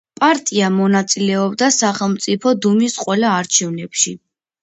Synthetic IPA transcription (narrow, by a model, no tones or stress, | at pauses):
pʼaɾt̪ʼiamɔnat̪sʼilɛɔbd̪asaχɛlˠmt̪sʼipʰɔd̪umisqʼwɛlaːɾt͡ʃʰɛvnɛpʃi